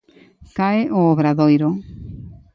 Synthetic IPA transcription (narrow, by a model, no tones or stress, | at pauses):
kaeʔoːβɾaðojɾo